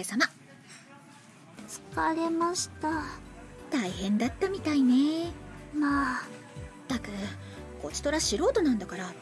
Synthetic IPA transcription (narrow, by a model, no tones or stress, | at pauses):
esama | t͡sɨ̥kaɾemaɕi̥t̪a | t̪aihẽ̞nd̪at̪ːamʲit̪ainemaː | t̪akɯ̟ | ko̞t͡ɕi̥t̪o̞ɾaɕiɾo̞ːt̪o̞nãnd̪akaɾa